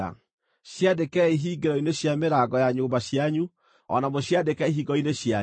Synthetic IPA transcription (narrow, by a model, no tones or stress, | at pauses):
a̰ | ɕjadekɛiɦiːɡeɾɔineɕjameɾaɡɔjaɲoːmbaɕjaɲu | ɔ̰namoɕjadekɛiɦiːɡɔineɕja